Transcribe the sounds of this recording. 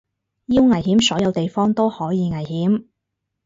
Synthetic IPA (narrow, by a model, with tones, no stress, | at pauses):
jiː˥wŋɐ˨˩jhiː˨˥msɔː˨˥jɐ˨˧wt̪e˨jfɔː˥ŋt̪o˥whɔː˨˥jiː˨˧ŋɐ˨˩jɦiː˨˥m